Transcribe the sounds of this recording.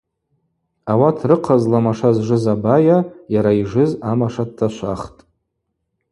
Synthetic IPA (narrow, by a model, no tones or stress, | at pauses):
awatʰrɨqʰazlamaʂazʐɨzabajajaɾaiʐɨzamaʂad̚tʰːaʃʷaχtʼ